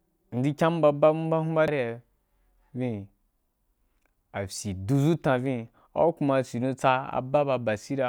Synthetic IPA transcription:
n̩˨di˦kʲa˦m˦ba˧ba˦mu˦ba˦ɦũ˦ba˦ɾa˨ | vĩ˦˧ | a˨fʲi˨du˧zu˦tã˧vĩ˦ | a̰˦ku˧ma˧si˨dũ˧t͡sa˧a̰˨ba˦ba˧ba˨si˦ɾa˧

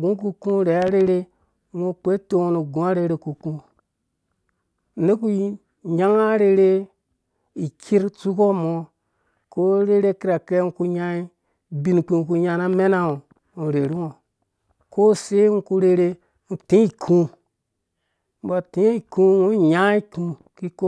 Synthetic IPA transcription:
ɡũ˦k̬u˦kũ˦ɾe˨a˦ɾe˦ɾe˦ | mo˦k͡pe˦to˦o˨nu˨ɡũ˨˦a˦ɾe˨ɾe˨ku˨kũ˦ | n̩˨˦e˦k̬u˦ | ja˦ŋa˦ɾe˨ɾe˦ | i˨kʰi˦ɾt͡su˦ko˦mo˨ | ko˦ɾe˦ɾe˦ki˦ɾa˨ke˦ŋ̩˦ku˦ɲa˦i˦ | bi˦nk͡pi˨ku˨ɲa˨na˦me˦na˦o˨ | u˨ɾe˨ɾi˦ŋo˨ | ko˦se˦ŋ̩˦ku˦ɾe˨ɾe˦ | n̩˨tĩ˦i˦˨kʰũ˦ | m̩˦ba˨ti˦i˨kũ˦wo˦˨ja˦i˦ku˨˦ | ki˦ko˦

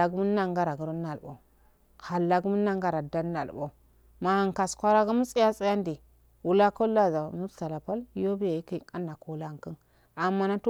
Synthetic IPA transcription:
a˨ɡmu˦a˦ŋɡa˦ɾa˨ɡu˨ɾu˦nːa˨lbo̰˨ | ha˨lːa˦ɡmu˦na˦ŋɡa˦ɾa˨da˦nː˦a˨lbo˨ | ma˨ha˨ŋ˨ka˨skʷa˦ɾa˦ɡu˦mu˦sʼi˦ja˦sʼi˦ja˦ndi˨ | wu˨la˦ko˦lːa˦za˨mu˦ta˨la˨pa˦ljo˦bi˦ja˨i˦ki˦˨ka˦nːa˨ko˦la˦˨ŋ˨kə˦n | a˨mːa˦na˦tu˦

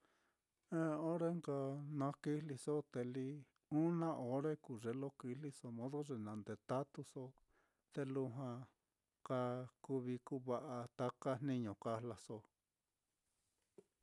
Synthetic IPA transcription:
ẽ˦o˦ɾe˦ŋɡa˧nã˧ki˦li˧so˦t̪e˧li˧ | ũ˦nã˦ʔo˧˦ɾe˦ku˨ʐe˧lo˦ki˧li˧so˧mõ˦ðo˦ʐe˧nã˨˧˨nd̪e˨t̪a˦t̪u˧so˦ | t̪e˧lu˧ɦã˧ | ka˧ku˧βi˧ku˦βa˧ʔa˧t̪a˧ka˦n̥nĩ˦ɲõ˨ka˧˦la˧so˧

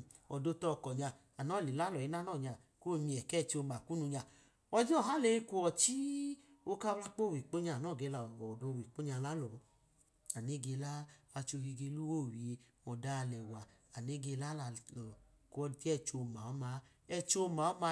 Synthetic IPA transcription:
ɔ˨do˧tɔ˧˨kɔ˨ɲa˧ | a˨nɔ˦˨li˨la˦lɔ˨i˦na˦nɔ˦˨ɲa˧˨ | ko˦˧mi˧ɛ˨kɛ˦˨t͡ʃo˧ma˨ku˦nu˧ɲa˧˨ | ɔ˧d͡ʒi˦ɔ˦˨ɦa˦le˧˦i˧ku˧ɔ˨t͡ʃi˦o˧ka˦wla˦k͡po˦˨wi˨k͡po˦ɲa˧˨nɔ˦˨ɡe˧la˨ɔ˨do˧˨wi˨k͡po˦ɲa˧la˦lɔ˨˦ | a˨ne˦ɡe˧laː˦˧t͡ʃo˧hi˧ɡe˧˦lu˦wo˦˨wi˨e˧ | ɔ˨da˧˦˧lɛ˨wa˨ | a˨ne˦ɡe˧la˦la˧˨lɔ˨kɔ˧ti˦ɛ˧t͡ʃo˧ma˨ɔ˦ma˧˦ | ɛ˧t͡ʃo˧ma˨ɔ˦ma˧

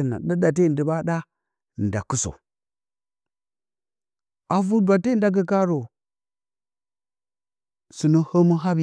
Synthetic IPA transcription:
na̰˨ɗa˦da˨t̬e˦˨də˨ba˦ɗa˦˨ | n̩˨da˨ku˦so̰˨ | a˨vu˦dʷa˨te˦˨n˦da˦ɡ̬ə˦ka˦ɾo˨ | su˨nə˦hə˦mu˦ɦa˦b

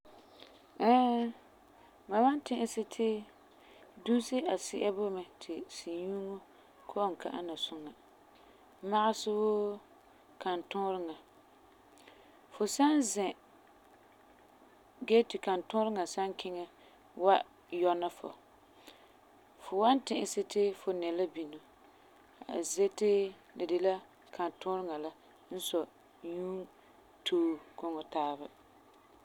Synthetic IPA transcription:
ɛ˦ | ma˨ma˦n˦tɪ˦ʔɪ˦sɪ˦tʰɪ˦ | du˦sɪ˦ʔa˨sɪ˦ʔa˦bʊ˦mɛ˨tʰɪ˨si˨ɲu˦ŋo˦ | kʰo˦˨ŋ̩˨ka˦ʔa˦na˨sʊ˦ŋa˨˦ | ma˦ʔa˦sʊ˦bo˦ | ka˨n˨tʊ˦ɾɪ˦ŋa˨ | fʊ˨sa˦nzɛ̃˨ | ɡɛ˦tɪ˨ka˨ntʊ̃˦ɾɪ˦ŋa˨sa˦ŋ˦kʰɪ˦ŋɛ˦ | wa˦ | jɔ˦na˦fʊ̰˨ | fʊ˨wa˦n˦tɪ̃˨ʔɪ˦sɪ˦tɪ˦fʊ˨nɛ˨la˦bi˨no˨ | a̰˨ze˦tɪ˦ | lɪ˨dɪ˦la˦ | kʰa˨n˨tʊ˦ɾɪ˦ŋa˨la˦ | n̩˦sɔ˨ | ɲuː˦ | tʰoː˦kʊ˨ŋɔ˨taː˦ba˦

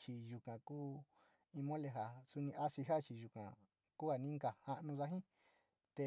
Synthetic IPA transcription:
t͡ʃi˨˧ʒu˨kã˨kuː˦ | ĩ˧mõ˦le˧ɦa˨su˧nĩ˧ʔa˦si˧ɦa˦t͡ʃi˧ʒu˨kã̰˨ | ku˦ha˧˨nĩ˦ŋɡa˨hã˧ʔnũ˧ða˧ɦĩ˦ | t̪e˧

